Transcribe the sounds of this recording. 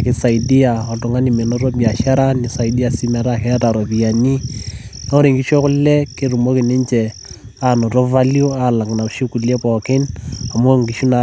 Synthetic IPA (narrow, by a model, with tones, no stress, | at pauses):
kɪ˦sa˨i˨di˦a˨ɔ˨tʊ˨ŋa˦ni˨mɛ˨nɔ˦ɾɔ˦bi˨a˨ʃa˦ɾa˦nɪ˨sa˨i˨di˦a˨si˦mɛ˨ɾa˦kɛ˦ta˨ɾo˨pi˨ja˨ni˦na˦o˦ɾi˨ŋki˦ʃo˦kʊ˦lɛ˦ke˦ɾu˨mo˦kɪ˨nɪ˦nt͡ʃɛ˨ | a˦nɔ˨tɔ˦va˦ljo˦a˦˨la˨kna˨ʃi˦ku˨le˦pɔ˨kɪ˦na˨mo˦ŋki˨ʃu˦na˨